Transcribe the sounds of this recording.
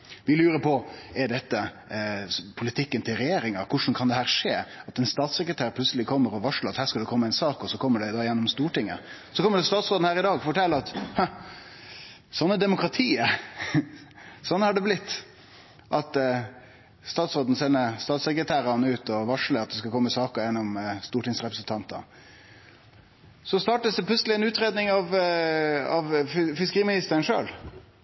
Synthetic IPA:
ʋɪlʉːɾəpʰɔɛɖɛt̪ːə | pʰʊlɪt̪ʰɪkːənt̪ʰɪlɾɛjeːɾɪŋɑkʰʊʂn̩kʰɑnd̪ɛhæːɾʂeːɑt̪ɛnst̪ɑːt̪sɛkɾət̪ʰæːɾpʰlʉt̪səlɪkʰɔmːəɾɔʋɑʂləɾɑt̪hæːɾʂkɑld̪ɛkʰɔmːəæɪnsɑːkɔsɔkʰɔmːəɖɛd̪ɑːjɛnːɔmst̪uːʈɪŋːə̰ | sɔkʰɔmːəɖɛst̪ɑːt̪sɾoːd̪n̩hæːɾɪd̪ɑːɡɔfɔʈʰɛlːəɑt̪hɑ | sɔnːəd̪ɛmʊkɾɑt̪ʰiːə | sɔnːhɑɖɛblɪt̪ː | ʔɑt̪ | st̪ɑːt̪sʁoːd̪n̩sɛnːəst̪ɑːt̪sɛkɾət̪ʰæːɾɑnəʉːt̪ɔʋɑʂləɑt̪̚d̪ɛskɑkʰɔmːəsɑːkəjɛnːɔmst̪uːʈɪŋsɾɛpɾəsn̩t̪ʰɑnt̪ə̰ | sɔst̪ɑːʈəsd̪ɛpʰlʉtsəlɪɛnʉːt̪ɾeːd̪nɪŋɑʋ | ɑʋfɪskəʁiːmɪnɪst̪əɾənʂø̰ːl

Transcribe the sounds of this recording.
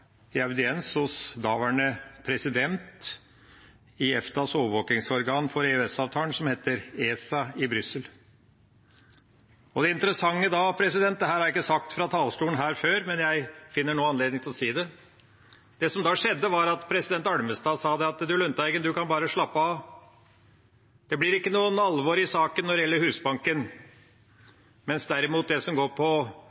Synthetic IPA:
ɪɑʋd̪ɪɛnshʊsd̪ɑːʋæɳəpʰɾɛsɪd̪ɛnt̪ | ɪɛft̪ɑsoːʋəʋoːkɪŋsɔɾɡɑːnfɔɾɛøɛsɑːʋt̪ʰɑːlnsɔmheːt̪əɾeːsɑɪbɾʏsːəl | ɔd̪ɛɪnt̪əɾəsɑŋːəd̪ɑːpʰɾɛsɪd̪ɛnt̪d̪ɛɦæːɾhɑɾjɪkːəsɑk̚t̪fɾɑt̪ʰɑːlst̪uːən̩ɦæːɾføːɾmɛnjæɪfɪnːəɳuːəɑnleːd̪ɪŋt̪ʰɪɔsiːd̪ɛ | d̪̥ɛsɔmd̪ɑːʂɛd̪ːəʋɑɾɑt̪pʰɾɛsɪd̪ɛnt̪ɑɽməst̪ɑːsɑːd̪ɛɑt̪d̪ʉlʉnt̪æɪɡənd̪ʉkɑnbɑːɾəʂɭɑpːəɑʋ | d̪̥ɛblɪɾɪkːənuːənɑlʋoɾɪsɑːkənːɔɾd̪ɪjɛlːəɾhʉːsbɑŋkən | mɛnsd̪æɾɪmuːt̪̚d̪ɛsɔmɡoːɾpʰɔ

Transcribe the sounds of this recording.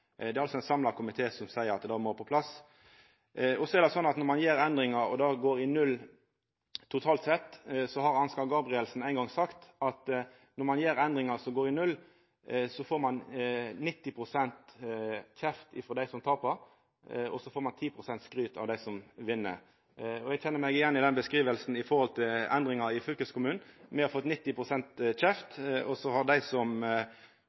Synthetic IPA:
d̪ɛæɾɑlsɔɛɪnsɑmlɑkʰʊmɪt̪ʰeːsɔmsæɪəɾɑt̪d̪ɑːmoːpʰɔpʰlɑs | ɔsɔɛɾd̪ɛsɔnːɑt̪nɔɾmɑnjeːɾɛnd̪ɾɪŋɑɾɔ̰d̪ɑːɡoːɾɪnʉlː | t̪ʰʊt̪ʰɑːlt̪sɛt̪ːsɔhɑɾɑnskɑɡɑːbʁɪɛlsn̩æɪŋɡɑŋsɑkt̪ɑt̪ | nɔɾmɑnjeːɾɛnd̪ɾɪŋɑsɔɡoːɾɪnʉl | sɔfoːɾmɑnnɪt̪ːɪpʰʁʊsɛnt̪ | çɛft̪ɪfɾɔd̪æɪsɔmt̪ʰɑːpɑɾ | ɔ̰sɔfoːɾmɑnt̪ʰiːpʰɾʊsɛnt̪skɾyːt̪ʰɑ̰ʋd̪æɪsɔmʋɪnːə̰ | ɔɛɡçʰɛnːəɾmɛɡɪjɛnːɪd̪ɛnbəskɾiːʋəlsn̩ɪfɔɾhɔlt̪ʰɪlɛnd̪ɾɪŋɑɪfʏlkəskʊmʉːn̩mɛhɑɾfɔt̪ːnɪt̪ːɪpʰʁʊsɛnt̪çɛft̪ɔsɔhɑʁd̪æɪsɔm

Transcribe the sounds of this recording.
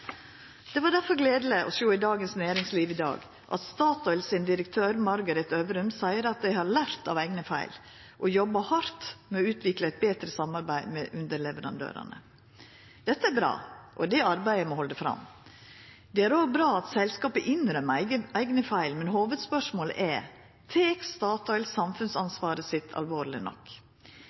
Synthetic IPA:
d̪̥ɛʋɑɖ̪æɾfɔɾɡleːd̪ləʔɔ̰soːɪd̪ɑːɡənsnæːɾɪŋsliːʋɪd̪ɑ̰ːɡ | ʔɑ̰t̪st̪ɑːt̪ɔʏlsɪnd̪ɪɾəkt̪ʰøːɾmɑɾɡəɾɛt̪øʋɾʉmsæɪəɾɑt̪̚d̪æɪhɑɾlæɾt̪ɑ̰ʋæɪɡnəfæ̰ɪl | ʔɔjɔbːɑhɑɾt̪mɛɔʉːt̪ʰʋɪkləɛɪt̪̚beːt̪ɾəsɑmɑɾbæɪmɛʔʉnd̪əɾɭɛʋəɾɑ̰nd̪ø̰ːɾɑ̰nə̰ | d̪̥ɛt̪ːəæɾbɾɑ̰ːʔɔd̪ɛɑɾbæɪəmɔhɔld̪ɛfɾɑ̰m | d̪ɛæɾoːɡbɾɑːɑt̪sɛlskɑːpəʔɪnɾœmːæəæɪɡnəfæɪlmɛnɦhoːʋəd̪spœʂmoːl̰ʔɛɾ | t̪ʰeːkst̪ɑːt̪ɑɪlsɑmfʉnsɑnsʋɑːɾəsɪt̪ʰɑ̰lʋoːɾlɪnɔ̰kː

